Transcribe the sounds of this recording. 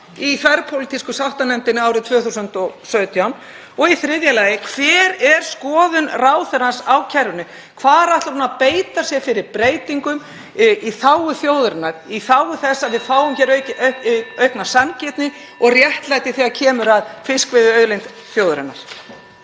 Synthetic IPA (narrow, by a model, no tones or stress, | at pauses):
iθvɛɾpʰowlɪt̪ʰiskʏsawht̪anɛnt̪ɪnːɪaːwɾɪt̪ʰv̥œːθusʏnt̪ɔɣsœːɥt̪ʰjawn | ɔɣiθɾɪðjalaːjɪkʰv̥ɛːɾɛɾ̥skɔːðʏnraːwθɛɾasawcʰɛɾvʏnʏ | kʰvaːðɛɾaht̪laɾnunapeːjt̪asjɛfɪɾɪɾpɾeːjt̪iŋkʏm | iθaːwʏθjoːwðɾɪnaɾiθaːwʏθɛsːaðvɪðfaːwʏmçɛːɾ | œɥhknḁsancɛt̪nɪ | ɔɣrjɛht̪lajt̪ɪθiːɣacʰɛːmʏɾaðfɪskvɪðʏœːðlejnt̪ | θjoːwðɾɪnːa̰ɾ̥